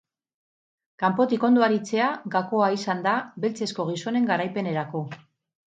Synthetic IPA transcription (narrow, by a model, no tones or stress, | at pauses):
kampo̞t̪iko̞nd̪oaɾit͡se̞aɡako̞aisand̪aβe̞lt͡se̞sko̞ɣ̞iso̞ne̞ŋɡaɾajpe̞ne̞ɾako̞